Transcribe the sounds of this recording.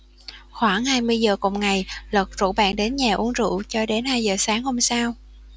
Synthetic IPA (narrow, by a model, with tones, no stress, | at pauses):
xwaː˧˩ŋhaː˧jmɨ˧əjzəː˨˩kṵ˨˩wŋ͡mŋa˨˩jlə˨˩t̚zo̰˧˥ɓa̰ː˧˨nɗe˨˦nɲaː˨˩ʔu˨˦əŋzṵ˧˨t͡ɕɔ˧ɗe˨˦nhaː˧jzəː˨˩saː˨˦ŋho˧msaː˧w